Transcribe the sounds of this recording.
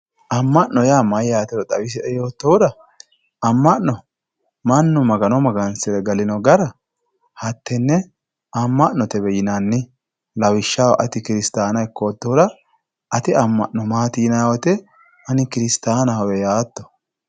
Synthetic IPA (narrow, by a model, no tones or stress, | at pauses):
ʔɐmːɐʔnːɔjaːmɐjːaːt̪ɛɾɔt̪ʼɐwɪs̬ɪɛjoːt̪ːoʊd̪ɐ | ɐmːɐʔnːɔ | mɐnːʊmɐɡɐnɔmɐɡɐnsɪɾɛɡɐlɪnɔɡɐɾɐ | hɐt̪ːɛnːɛ | ɐmːɐʔnːɔt̪ɛbɛjɪnanːɪ | lɐwɪʃːawɐʔɐt̪ɪkɪɾɪst̪aːnɐɛkːoːt̪ːɔʊd̪ɐ | ɐt̪ɪɐmːɐ̰ʔnːɔmaːt̪iːnɐwɔt̪ɛ | ʔɐnɪkɪɾɪst̪aːnɐhɔwɛjaːt̪ːɔ̥